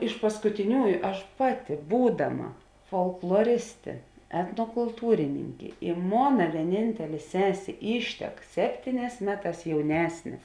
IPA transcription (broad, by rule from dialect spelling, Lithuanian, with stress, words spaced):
ɪʃ pɐskʊtʲɪˈnʲuːjʊ ˈɐʃ ˈpɑːˌtʲɪ ˈbuːdɐˌmɐ foːlˠklˠoːˈrʲɪsʲtʲeː ɛtnoːkʊlˠˈtuːrʲɪnʲɪŋʲkʲeː ɪ ˈmoːnɐ ʋʲiɛˈnʲɪnʲtʲɛlʲeː ˈsʲæːsʲeː ˈiːʃʲtʲɛk ˈsʲæːpʲtʲiːˌnʲɛːs ˈmʲæːˌtɑːs jɛʊˈnʲæːsʲnʲeː